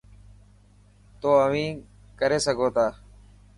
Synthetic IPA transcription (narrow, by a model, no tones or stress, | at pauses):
t̪oːəʋĩː | kəɾeːsəɡʱoːt̪aː